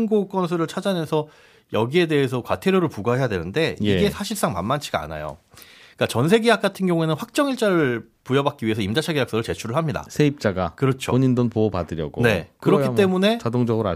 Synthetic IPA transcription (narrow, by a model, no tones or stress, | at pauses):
ŋɡok͈ʌnsʰɯɾɯɭt͡ɕʰad͡ʑanensʰʌ | jʌɡie̞de̞esʰʌkwatʰeɾjoɾɯɭpuɡaɦe̞jadwe̞nɯnde̞iie̞sʰaɕʰiɭs͈aŋma̰nmant͡ɕʰiɡaa̰na̰jo̰ | k͈at͡ɕʌns̬ʰe̞ɡijak͈atʰɯnɡjʌŋue̞nɯnɸwak̚t͡ɕ͈ʌŋiɭt͡ɕ͈aɾɯɭ | pujʌbak͈̚iɥiɦe̞sʰʌimd͡ʑat͡ɕʰaɡejak̚s͈ʌɾɯɭt͡ɕe̞t͡ɕʰuɾɯɭɦamɲida̰sʰeip̚t͡ɕ͈aɡakɯɾʌt͡ɕʰo̰oɲindɯnpopadɯɾjʌɡone̞̰kɯɾʌkʰit͈e̞mune̞t͡ɕadoŋd͡ʑʌɡɯɾa